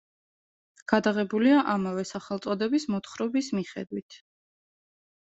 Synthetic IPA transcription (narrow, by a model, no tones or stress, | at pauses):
ɡ̥ad̪aʁɛbuliaʔamavɛsaχɛlt̪sʼɔd̪ɛbismɔt̪χɾɔbismiχɛ̰d̪wit̪ʰ